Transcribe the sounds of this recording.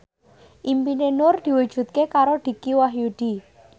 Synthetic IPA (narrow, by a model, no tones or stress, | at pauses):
ʔimpinenʊrd̪̥i̤wud̥ʒ̥ṳt̪̚kekaɾoɖ̪̥i̤kiwaɦjuɖ̪̥i